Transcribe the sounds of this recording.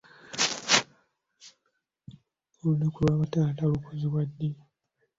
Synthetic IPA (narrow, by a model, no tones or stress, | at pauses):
olunakulwaːβataːtalukuziβwadːe